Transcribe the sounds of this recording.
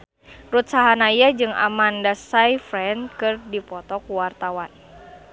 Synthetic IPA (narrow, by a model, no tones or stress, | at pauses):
rut̪̚saɦanajad͡ʒɨŋa̰mandasajfɾɛnkɨrdipɔt̪ɔkuwart̪awan